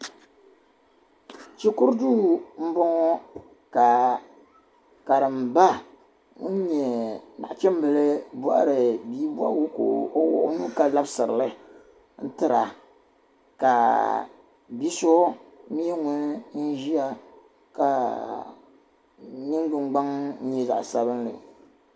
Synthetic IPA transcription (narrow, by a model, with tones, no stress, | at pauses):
t͡ʃi˦kʊ˦ɾduː˦m̩˦bɔ˦ŋɔ˦ | ka˨ | ka˨ɾɨ˨m˨ba˦ | ŋʊ̰˦n˦ɲɛ˨na̰˨ʔt͡ʃɛ˦m˦bɨ˨lɨ˦bɔ̰˦ʔɾɨ˨biː˦bwa̰˦wu˦ko˨o˦wɔ̰˨ʔnu˦ka˨la˦bsɨ˨ɾɨ˨lɨ˦ | n̩˦tɨ˨ɾa̰˨ | ka˨ | bi˦so˦mi˦ɛ˦ŋʊ˦n˦n̩˦ʒi˦a˨ | ka˨ | nɨ˦ŋ˦ɡ͡bɨ˨ŋ͡mɡ͡ba˦ŋn̩˦ɲɛ˦za̰˨ʔsa˦βɨ˦nlɨ̰˨